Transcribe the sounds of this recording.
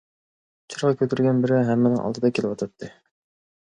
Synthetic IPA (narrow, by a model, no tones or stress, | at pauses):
t͡ʃʰɨɾʁɑkʲʰøt̪ʰyɾɡʲɛnbɪɾɪɦɛmːɪnɪŋʔɑ̰lˠd̪ɨd̪ɑkʲʰelɪwɑt̪ʰɑt̪ʰːɨ